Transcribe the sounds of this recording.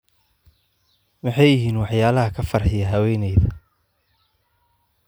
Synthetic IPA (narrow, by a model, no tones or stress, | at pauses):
mɑħɑjɪɦiːnwɑħjaːlɐɦɐkʰɐfɐrħɪjɐɦɐwɛːnɛjðɐ